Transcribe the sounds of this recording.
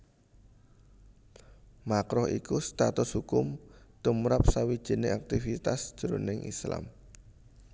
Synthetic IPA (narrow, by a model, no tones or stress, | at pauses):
makɾɔhḭkust̪at̪ʊshukʊmt̪umɾap̚sawid̥ʒ̥i̤neak̚t̪ifit̪asd̥ʒ̥ɾonɪŋʔḭsla̰m